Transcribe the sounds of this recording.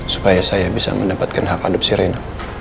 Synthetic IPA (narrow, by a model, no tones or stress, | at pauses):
su̥pajasajabisa̰mə̰ndapat̪̚kanɦaka̰lup̚siɾena